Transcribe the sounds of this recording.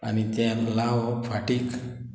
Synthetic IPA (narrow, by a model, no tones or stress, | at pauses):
anit̪janlawfʰaʈik